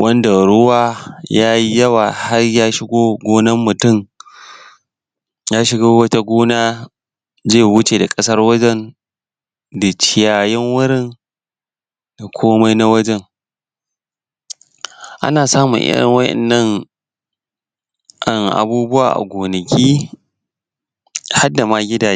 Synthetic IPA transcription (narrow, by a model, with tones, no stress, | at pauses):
wʔɐ˦nda˨ɽʊ˦waː˦jaː˦ji˦jɐ˦waː˨ha˦rjaː˦ʃɪ˦ɡʷoː˦ɡʷoː˦nɐ˦mːʊ˨tʊ˦˨m | jaː˦ʃɪ˦ɡaː˦wɐ˦ta˦ɡʷoː˦naː˦ | d͡ʒeː˦˨wʊ˦t͡ʃeː˨da˨kʼɐ˦sɐ˦rwɐ˦d͡ʒɛ˦n | da˨t͡ʃɪ˦˨jaː˨jɛ˦ŋwʊ˦ɽɪ˦˨n | da˨kʷʰoː˦ma˦jna˦wɐ˦d͡ʒɛ˦ŋ | ʔa̰˦naː˨saː˦mʊ̰˨ŋʔɪ̰˦ɽɪ̰˦ŋwɐ˦ʔɛ̰˨nːɐ˦ŋ | ʔa˦˨ŋʔa̰˨buː˦bʊ˦wa̰ː˨ʔa̰˨ɡʷoː˨nɐ˨kʲʰiː˦ | ha˦da˨maː˦ɡʲɪ˦daː˨˦